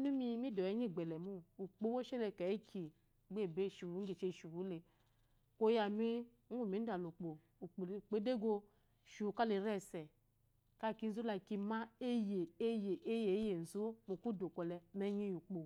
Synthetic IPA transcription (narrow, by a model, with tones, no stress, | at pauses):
nu˦mi˧˦mi˦dɔ˨jɛ˨˦ɲi˦˨ɡ͡bɛ˨lɛ˨mu˦u˨k͡po˧˦wo˦ʃɛ˦lɛ˧˨ka˨i˦kʰi˨˦ | ɡ͡be˦˨be˦˨ʃu˨nu˨˦ɡe˨t͡ʃe˧˨ʃu˨wu˨˦le˨ | ko˧ja˨mi˦ | u˦˨mi˨˦n̩˦da˨lo˨k͡po˨ | k͡pe˦de˦ɡo˧ | ʃu˨ka˦le˨˦ɾɛ˦˨sɛ˨ | ka˦˨ki˧n̩˦zo˦la˧˨ki˧ma˦e˦je˨e˦je˨ʔe˦je˨˦je˨n̩˨zo˦mo˨ku˦do˨kɔ˨lɛ˨mɛ˧ɲi˦ju˨k͡po˨